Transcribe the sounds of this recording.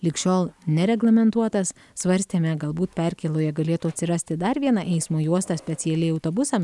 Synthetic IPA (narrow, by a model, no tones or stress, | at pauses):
lʲɪkʃʲoːlˠnʲɛɾʲɛɡlˠɐmʲɛnt̪uɔt̪ɐs | sʋɐɾʲsʲt̪ʲemʲɛɡɐlˠbuːt̪pʲɛɾʲkʲeːlˠoːjɛɡɐlʲeːt̪uɐt̪ʲsʲɪɾɑsʲt̪ʲɪd̪ɐɾʋʲiɛnɑʔɛɪsmoːjuɔst̪ɑsʲpʲɛt̪sʲɪɛlʲɛɪɐʊt̪oːbʊsɐm